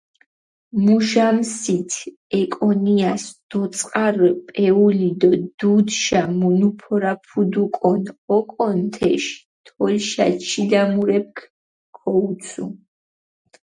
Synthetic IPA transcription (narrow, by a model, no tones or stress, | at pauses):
muʒamsit̪ʰ | ɛkʼɔniasd̪̥ɔt̪sʼqʼaɾpʼɛulid̪ɔd̪̥ud̪ʃamɔnupʰɔɾapʰud̪ukʼɔnɔkʼɔnt̪ʰɛʃ | t̪ʰɔlʃat͡ʃʰilamuɾɛp̚kʰ | kʰɔut̪sʰʼṵ